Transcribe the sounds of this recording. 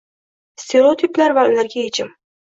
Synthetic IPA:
st̪ʰe̞ɾeot̪ʰiplaɾvaʊlaɾɡʲajet͡ʃʰɪm

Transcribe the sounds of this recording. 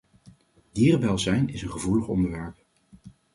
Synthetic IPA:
diːrbɛlˠzɛjnɪsənχəvuləχɔ̰ndəɹʋɛɹp̚

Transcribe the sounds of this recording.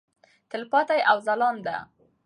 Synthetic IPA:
t̪ɪlpɑt̪ajʔawzalɑnd̪a̰

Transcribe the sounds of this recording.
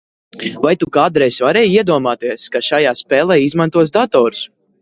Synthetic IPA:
vajt̪ukaːd̪ɾɛjsvaɾɛːjiɛd̪uɔmaːt̪iɛskaʃajaːspɛːlˠɛjizmant̪uɔs̬d̪at̪ɔːɾu̥s

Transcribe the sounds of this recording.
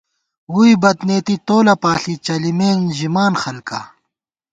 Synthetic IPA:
uibɐt̪neːt̪it̪oːlɐpaːɬit͡ɕɐlimeːnʑimaːnxɐlka̰

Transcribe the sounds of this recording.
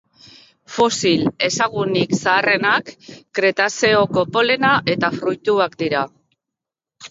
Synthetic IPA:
fo̞sile̞saɣ̞uniksaːre̞nakːɾe̞t̪ase̞o̞ko̞po̞le̞naʔe̞t̪afɾujt̪uakd̪iɾa

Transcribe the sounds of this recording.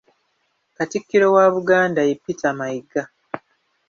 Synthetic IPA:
katikːiɾo̞waːβuɡaːndajepːitamaiɡa

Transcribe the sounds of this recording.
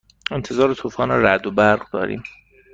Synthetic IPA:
e̞nt̪ʰe̞zɒːɾet̪ʰofɒːneɾæd̪obæɾɣd̪ɒ̰ːɾḭːm

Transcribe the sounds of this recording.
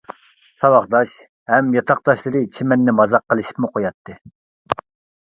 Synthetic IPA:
sɑwɑχd̪ɑʃ | hɛmjɑt̪ʰɑqd̪̥ɑʃlˠɨɾɨt͡ʃʰimɛnːɪmɑzɑqːəlˠɨʃi̥pmuqʰojɑt̪ʰːɨ

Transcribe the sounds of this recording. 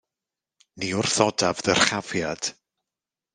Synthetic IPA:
niʊrθɔdavðər̥χavjad̥

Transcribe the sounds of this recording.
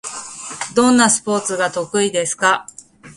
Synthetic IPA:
d̪õ̞nːasɨ̥po̞ːt͡sɨɡat̪o̞kɯ̟id̪e̞sɨ̥ka

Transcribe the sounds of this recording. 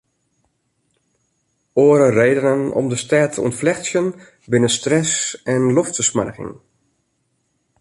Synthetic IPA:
oːəɾərejdənənɔ̰mdəstɛːtʰəṵntflɛxsjən | bɪnənstrɛsɛnlɔftəsma̰rɣɪ̰ŋ

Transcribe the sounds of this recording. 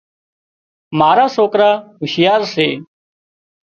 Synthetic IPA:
maːɾaːsoːkɾaːɦʊʃɪjaːɾseː

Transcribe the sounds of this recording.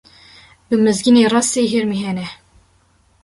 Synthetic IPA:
bɨmɨzɡineːrɑːseːɦeɾmiɦɛnɛ

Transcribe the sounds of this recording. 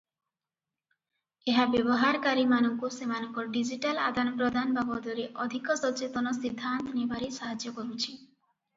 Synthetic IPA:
eɦabebɔɦaɾkaɾimanɔŋkusemanɔŋkɔɖid͡ʒiʈala̰d̪ʱanpɾod̪ʱanbabɔd̪ɔɾeʔɔd̪ʱikɔsɔt͡ʃet̪ɔnɔsid̪ʱːant̪ɔnebaɾisaɦad͡ʒɔkɔɾut͡ʃʰi

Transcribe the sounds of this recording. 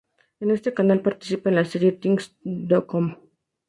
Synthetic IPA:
juniʋəɾsʈikanalpaɾt̪isipenlasiɾit̪iŋɡsdɔkɔm

